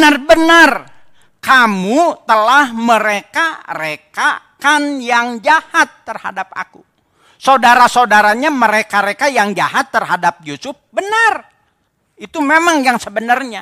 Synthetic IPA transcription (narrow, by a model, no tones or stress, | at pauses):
ənarbənar | kamut̪əlahməɾekaɾekakanjaŋd͡ʒahat̪ːərha̰dap̚a̰kṵ | saudaɾasaudaɾaɲaməɾekaɾekajaŋd͡ʒaɦat̪ːərɦadap̚josʊf̚bənar | it̪umemaŋjaŋsəbənarɲa